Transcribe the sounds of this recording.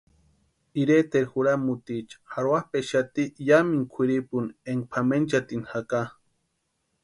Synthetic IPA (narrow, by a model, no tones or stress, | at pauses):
iɾet̪eɾxuɾamut̪it͡ʃḁhaɾwahpeʃat̪ijamiŋkʷʰiɾipuneŋɡ̚pʰament͡ʃat̪inhaka